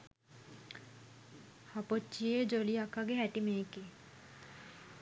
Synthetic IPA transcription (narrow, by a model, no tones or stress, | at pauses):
hapot͡ʃːijed͡ʒoliakaɡeɦæʈimeːke